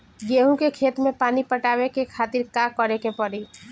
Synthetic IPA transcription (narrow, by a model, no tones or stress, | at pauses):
ɡeɦũkekʰeːt̪mẽpaːnipəʈaːwekekʰaːt̪iɾkakəɾekepəɾi